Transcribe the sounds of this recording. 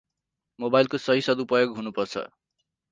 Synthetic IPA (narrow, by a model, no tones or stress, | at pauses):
mobajlkosʌɦisʌd̪upʌjoɡɦunupʌrt͡sʰʌ̰